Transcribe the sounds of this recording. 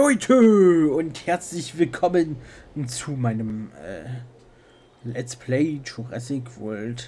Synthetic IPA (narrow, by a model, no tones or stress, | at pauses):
ɔʏtʰəʊnthɛɐt͡slɪçv̥ɪlkʰɔmənt͡sumaɪnəmɛ̰ː | lɛt͡spʰleɪtʰuʁɛ̰sɪkv̥ɔlt